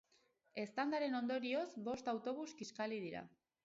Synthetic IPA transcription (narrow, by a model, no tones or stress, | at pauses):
e̞st̪and̪aɾe̞no̞nd̪o̞ɾio̞zbo̞st̪awt̪o̞β̞uskiskalið̞iɾa̰